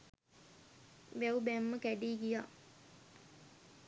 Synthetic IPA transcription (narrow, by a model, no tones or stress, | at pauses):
bæwbæmːəkæɖiːɡija